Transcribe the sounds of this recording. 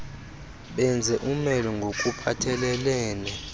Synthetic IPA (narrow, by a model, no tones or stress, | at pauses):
ɓɛnd͡zʱɛʔumɛlɔŋɡʱokʼupʰatʰɛlɛlɛːnɛ